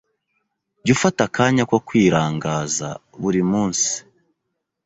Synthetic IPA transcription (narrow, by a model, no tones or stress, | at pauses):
ɟufatakaːɲakwokwiːɾaːŋɡaːza̰βuɾimuːnsi̥